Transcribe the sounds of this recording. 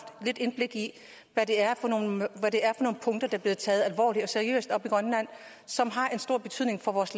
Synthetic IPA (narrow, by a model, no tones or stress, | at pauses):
d̥le̝d̥e̝nb̥le̝ɡ̥i | ʋæɾ̥e̝æɐfɒ̽no̝ːnʋæɾe̝æɐfɒno̝ːn̩pʰɔ̽ŋd̥ɐd̥ɑ̈b̥le̝ːð̩ˠt͡sʰɛːð̞̩ˠælʋɒ̰ːli̥ɒ̽seɐiø̰ːsd̥ɒ̽b̥iɡ̥ʁɶnlæn̰ | sɒ̽mɦɑ̈ʔe̝nsd̥o̝ɐ̰b̥e̝t͡sʰyð̰ˠne̝ŋfɒ̽ʋɒːsl